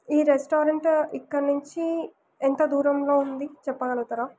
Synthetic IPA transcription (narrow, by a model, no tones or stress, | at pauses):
iːɾesʈoːɾɐɳʈikːɐɾnuɲt͡ʃi | ent̪ɐd̪uːɾɐmlo̞ːund̪it͡ʃɛpːɐɡɐlɐt̪ɐɾaː